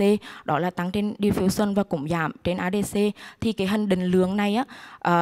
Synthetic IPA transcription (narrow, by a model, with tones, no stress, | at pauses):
e˧ɗɔ˨˦laː˨˩t̪a˨˦ŋt͡ɕe˧nɗi˧əfi˨˦wswə˧nvaː˨˩kʊ̰˧˩ŋ͡mza̰ː˧˨mt͡ɕe˧nʔaː˧˩ɗe˧se˧t̪ʰi˨˩kaː˨˦jɦï˨˩ŋ̟ɗï˧˨˩ŋ̟lɨ˨˦əŋna˨˩jʔaː˨˦ʔəː˨˩